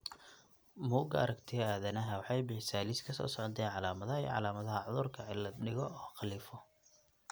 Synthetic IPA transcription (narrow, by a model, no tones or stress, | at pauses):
muːɡɐ̰ɐ̰ɾɐɡt̪ʰɪɣaːðɐnɐɦɐwɑħɑjbɪħɪsaːliskʰɐsɔ̰ːsɔʕɔt̪ʰɛːnʕɑlaːmɐðɐɦɐij̰ʕɑ̰laːmɐðɐɦɐʕʊðʊrkʰɐʕɪlɐbnɪɣɔɔːqɑliːfɔ